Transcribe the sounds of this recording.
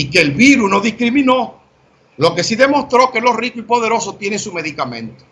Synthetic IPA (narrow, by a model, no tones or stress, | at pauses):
ike̞ːlβiɾusno̞ðihkɾimĩno̞ | lo̞ke̞siðe̞mo̞st̪ɾo̞ke̞lo̞rikoipo̞ðe̞ɾo̞sot̪je̞neŋsume̞ðikamẽ̞nt̪o̥